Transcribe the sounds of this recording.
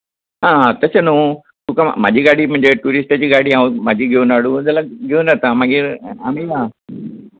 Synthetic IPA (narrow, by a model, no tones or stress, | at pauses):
ɦãːat̪əsəno | t̪uka̰ma̰ːd͡ʑiɡaɽ̤im̤ə̃ɪ̃ɲd͡ʑeʈuːɾisʈət͡ɕiːɡaːɽiaũmaːd͡ʑʱiɡʱeonaɽũd͡zɐlaɡeonɐt̪amaɡiɾaːmeja